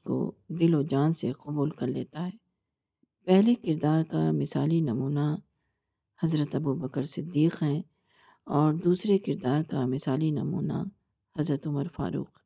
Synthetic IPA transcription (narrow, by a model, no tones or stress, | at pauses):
ko̰d̪ɪlod͡ʒaːnseqɐbuːlkɐɾleːt̪aɦɛː | pɛɦlekɪɾd̪aːɾkamɪsaːlinɐmuːna | hɐzɾət̪ɐbubəkəɾsɪd̪ːiːqɦɛ̃ː | ɔːɾd̪uːsɾekɪɾd̪aːɾkamɪsaːlinɐ̰mṵːna̰ | hɐzɾət̪ʊməɾfa̰ːɾṵːq